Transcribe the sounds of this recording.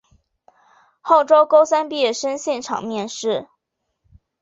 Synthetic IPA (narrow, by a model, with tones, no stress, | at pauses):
xo˥˩ʊʈ͡ʂo˥ʊko˥ʊsa˥npi˥˧jɛ˥˩ʂə˥nɕjɛ˥˩nʈ͡ʂʰɑ̰˨˩ŋmjɛ˥˧nʂɻ̩˥˩